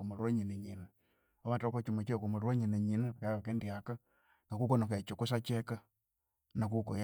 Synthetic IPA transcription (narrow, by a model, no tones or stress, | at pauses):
omoɾwoɲiniɲinɨ | omatokot͡ʃumat͡ʃekumoɾaɲineɲinɨakaakendiaka | kakukonoket͡ʃukus̬at͡ʃɛka | nakuko̰j